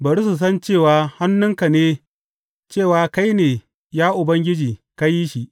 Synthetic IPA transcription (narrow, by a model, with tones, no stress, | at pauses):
bɐ˨ɾu˦su˨s̬ɐ˦nt͡ʃeː˦˨waː˨˦ha˦nːʊ˦ŋka˨neː˦ | t͡ʃeː˦˨waː˨ka˦jneː˨ | jaː˦ʔʊ˨bɐ˦ŋɡʲɪ˦d͡ʒiː˨ka˦ji˦ʃi˨ʔ